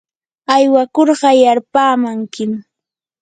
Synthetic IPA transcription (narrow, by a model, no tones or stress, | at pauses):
ajwakoɾɢɑjaɾpaːmaŋkɪm